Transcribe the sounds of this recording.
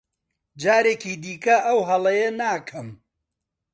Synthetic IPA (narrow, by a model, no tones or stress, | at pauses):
d͡ʒaːɾeːkiːd̪iːkɐʔɐwɦɐlˠɐjɐnaːkʰɐm